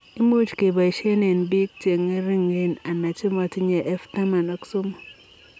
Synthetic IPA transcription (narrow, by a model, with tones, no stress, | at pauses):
i˦mo˦t͡ʃke˨ba˨i˨ʃe˦ne˨nbi˦k̚t͡ʃe˨ŋe˦ɾi˦ŋe˦na˨na˨t͡ʃi˦mɔ˨tɪ˦ɲe˨ʔɛ˦fta˦ma˨nɔ˨kso˦m˨